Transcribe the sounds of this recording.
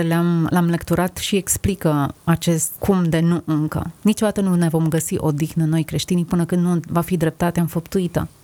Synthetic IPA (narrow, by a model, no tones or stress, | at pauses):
eleamlamlekt̪uɾat̪ʃieksplikəat͡ʃe̞st̪kʰumd̪e̞nuʔɨŋkə̰nit͡ʃo̞d̪at̪ənune̞vo̞mɡəsiʔo̞d̪ixnəno̞jkɾe̞ʃt̪inipɨnəkɨnd̪nuvafid̪ɾe̞p̚t̪at̪eaɨnfəpt̪uit̪ə̰